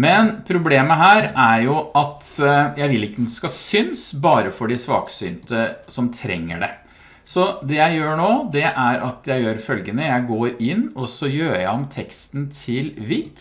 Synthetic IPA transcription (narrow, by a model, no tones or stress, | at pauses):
mɛnpʰɾʊbleːməɦæːɾæɾjʊʔɑt̪jæɪʋɪlɪkːənʊskɑsʏnsbɑːɾəfɔɖɪsʋɑ̰ːkə̥sʏnt̪əsɔmt̪ʰɾɛ̰ŋːə̰ɖɛ̰ | sɔd̪ɛjæɪjøːɳoːd̪ɛʔæɾʔɑt̪ʰjæɪjøːɾfœlɡənəjæɪɡoːɾɪnːɔsɔjøːɾjæɪɔmt̪ʰɛkst̪nt̪ʰɪlʋɪt̪